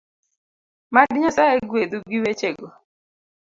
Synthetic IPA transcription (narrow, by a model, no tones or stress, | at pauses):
madɪɲɔsaeɡwed̪uɡiwet͡ʃeɡo